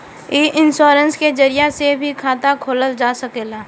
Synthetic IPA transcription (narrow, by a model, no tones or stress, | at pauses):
eːʔɪnʃoːɾə̃nsked͡ʒəɾɪjasebʱikʰaːt̪akʰoːləld͡ʒaːsɐkeːlaː